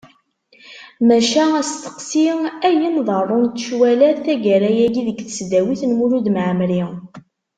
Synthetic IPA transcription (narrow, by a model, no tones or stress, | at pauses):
mæʃææst̪ə̥qsiæjənðˤərˤːont̪ːʃwælæθæʝæɾæjæɡiðəɡθə̥sd̪æwiθnmuɾud̪mʕəmɾi